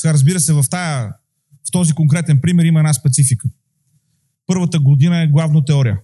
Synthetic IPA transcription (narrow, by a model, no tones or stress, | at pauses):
aɾəzbiɾəsɛvɐft̪ajə | ft̪ɔzikoŋkɾɛt̪ɛnpɾimɛɾimɐɛnaspɛt̪sifikə | pɤɾvət̪əɡod̪inəɛɡlˠavnot̪ɛɔɾijə